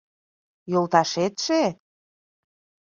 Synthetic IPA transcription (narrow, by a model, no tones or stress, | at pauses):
jolt̪ɑʃet̪ʃe